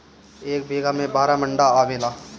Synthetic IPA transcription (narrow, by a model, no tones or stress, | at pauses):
eːk̚bʱeːɡamẽbaːɾamɐ̃ɳɖaaːmɪlaː